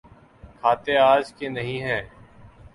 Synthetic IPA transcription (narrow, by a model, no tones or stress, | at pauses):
kʰaːt̪eːaːd͡ʒkenəɦĩːɦɛ̃ː